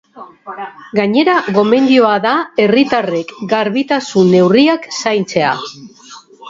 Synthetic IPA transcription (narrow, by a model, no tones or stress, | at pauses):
ɡaɲe̞ɾaɣo̞me̞nd̪io̞aðae̞rit̪are̞kɡaɾβit̪asunːe̞wriaksajnt͡se̞a